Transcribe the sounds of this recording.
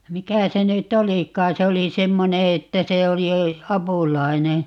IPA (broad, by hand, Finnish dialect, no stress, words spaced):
mikæ se nyt olikˑɑː se oli semːone etːæ se oli ɑpuˑlɑi̯ne